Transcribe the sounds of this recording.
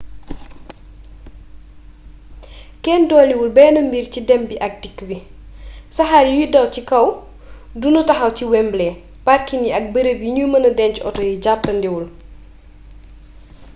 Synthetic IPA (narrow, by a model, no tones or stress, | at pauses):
kɛːndɔːliwulbɛːnɐmbircidɛmbiʔɐk̚dikːəbi | sɐxaːɾjujidɐwcikɐw | dunutɐxɐwciwɛmblɛ | pɐrkiniɐk̚bəɾəpjiɲumɐnɐdɛncɔ̰tɔjiɟap̚ːɐndiwul